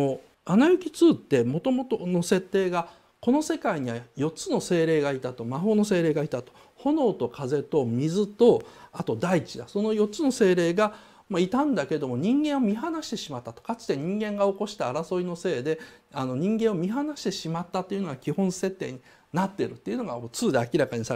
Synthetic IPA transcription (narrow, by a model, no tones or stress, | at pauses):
o | anajɯ̟kʲit͡sɨːt̪ːe̞mo̞t̪o̞mo̞t̪ono̞se̞t̪ːe̞ːɡa | ko̞no̞se̞kaiɲ̟iβajo̞t͡sɨno̞se̞ːɾe̞ːɡait̪at̪o̞maɦo̞ːno̞s̬e̞ːɾe̞ːɡait̪at̪o̞̥ | ho̞no̞ːt̪o̞kʰaze̞t̪o̞mʲizɨt̪o̞at̪o̞d̪ait͡ɕid̪aso̞no̞jo̞tt͡sɨno̞se̞ːɾe̞ːɡa | mait̪ãnd̪ake̞d̪o̞mo̞ɲ̟ĩŋɡẽ̞ɰ̃o̞mʲiɦanaɕi̥t̪e̞ɕimat̪ːat̪o̞̥kat͡ɕi̥t̪e̞ɲ̟ĩŋɡẽ̞ŋɡao̞ko̞ɕi̥t̪aːɾaso̞ino̞se̞ːd̪e̞ano̞ɲ̟ĩŋɡẽo̞mʲiɦanaɕi̥t̪e̞ɕimat̪ːat̪ːe̞iɯ̟noɡakʲihõ̞ɰ̃se̞t̪ːe̞ːɲ̟i | nat̪ːe̞ɾɯ̟t̪ːe̞iɯ̟no̞ɡaot͡sɨːd̪e̞akʲiɾakaɲ̟isa